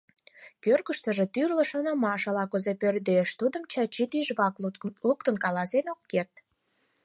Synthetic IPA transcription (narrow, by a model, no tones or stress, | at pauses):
kørɣəʃt̪ə̆ʒet̪yrlə̆ʃonə̆mɑʃɑlɑkuzepørd̪eʃt̪ud̪ə̆mt͡ɕɑt͡ɕit̪yʒβɑklukt̪ənkɑlɑsenokːert̪